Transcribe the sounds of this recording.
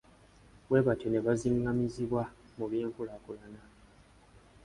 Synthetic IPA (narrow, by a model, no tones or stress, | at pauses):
βweβatone̞βaziŋɡamiziβwa | muβjeːɱkulakulana